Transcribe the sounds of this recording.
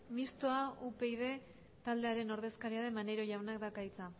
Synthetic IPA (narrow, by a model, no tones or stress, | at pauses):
mist̪oaupe̞jð̞e̞ | t̪ald̪e̞aɾe̞no̞ɾðe̞skaɾiaðe̞mane̞ɾo̞ʝawnakd̪akait͡sa